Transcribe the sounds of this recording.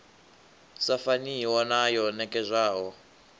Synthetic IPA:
safaniwɔnajɔnɛkʼɛzʷaːɦɔ

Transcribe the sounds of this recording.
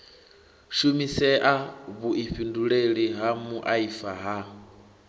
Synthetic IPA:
ʃumisɛʔaβuʔiɸinduɺeɺiɦamuʔaifaɦa

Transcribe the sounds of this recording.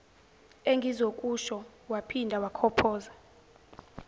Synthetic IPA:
eŋɡʱizokʼuʃɔ | wapʰindʱawakʰɔpʰɔːza

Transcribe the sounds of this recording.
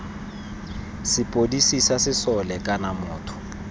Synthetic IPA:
sɪpʼodisisasɪsɔlɛkʼanamʊːtʰʊ̥

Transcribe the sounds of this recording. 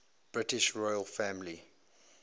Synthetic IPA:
b̥ɹɪtɪʃɹɔɪəlfæ̃mli

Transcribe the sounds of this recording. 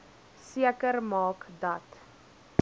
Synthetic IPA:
siəkərmɑːkdɐt

